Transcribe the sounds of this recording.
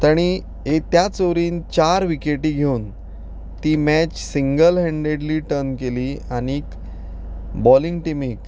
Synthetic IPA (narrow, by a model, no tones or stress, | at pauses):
t̪aɽ̃i | ɦet̪jat͡soʋɾiːnt͡ɕaɾʋikeʈiːɡʱeuːn | t̪iːmɛt͡ɕsiŋɡəlɦɛ̃ɳɖeɽliːʈəɾnkeliːañiːk | bɔliŋɡʈimiːk